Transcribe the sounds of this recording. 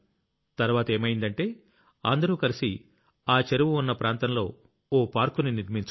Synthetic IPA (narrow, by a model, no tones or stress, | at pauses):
t̪ɐɾʋaːt̪ɐe̞ːmɐjind̪ɐɳʈe̞ː | ɐ̰nd̪ɐɾuːkɐɾisi | aːt͡ʃeɾuʋuunːɐpɾaːnt̪ɐnlo̞ː | oːpaːɾkuniniɾmint͡ʃ